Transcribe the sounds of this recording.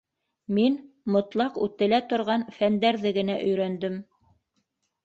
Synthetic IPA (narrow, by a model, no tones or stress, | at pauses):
min | mŏt̪lˠɑqʉt̪ɘ̆læt̪ŏɾʁɑnfænd̪æɾðɘɡɘ̆næʔɵ̆jɾænd̪ɘm